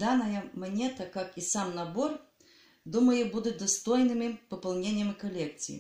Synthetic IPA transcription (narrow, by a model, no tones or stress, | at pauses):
d̪anɐjɐmɐnʲɛt̪ɐkakisamnɐbɔr | d̪umɐjɛbud̪ʊd̪ɐst̪ɔjnɨmɨpɐpɐlˠnʲenʲːjɐmɨkɐlʲɛk̚t̪sʲɨ̰jḭ